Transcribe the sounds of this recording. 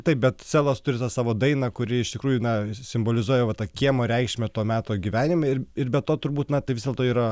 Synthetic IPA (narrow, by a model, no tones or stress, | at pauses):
t̪ɐɪp̚bʲɛt̪sʲæːlˠoːst̪ʊɾʲɪt̪ɑsɑːʋoːd̪ɐɪnɐkʊɾʲɪɪʃt̪ʲɪkɾuːjunɐsʲɪmboːlʲɪzuɔjɛʋɐt̪ɐkʲiɛmoːɾʲɛɪkʃʲmʲɛt̪oːmʲæːt̪oːɡʲiʋʲæːnʲɪmɛɪɪrbʲɛt̪toːt̪ʊɾbuːt̪nɐt̪ɐɪʋɪzdʲelˠt̪oːiːɾɐ